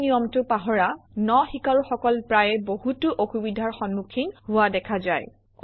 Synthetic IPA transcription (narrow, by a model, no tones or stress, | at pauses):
nijɔmtʊpaɦɔɹanɔxikaɹuxɔkɔlpɹajɛbohutʊʔoxubidʱaɹxɔnmukʰinhʊwadɛkʰazaj